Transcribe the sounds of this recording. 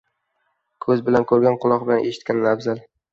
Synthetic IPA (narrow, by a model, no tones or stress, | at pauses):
kʰɵzbɪlankʰɵɾɡʲanqʰʊlˠɒq̚bɪlanʔeʃɪ̥t̪̚kʲanːavzal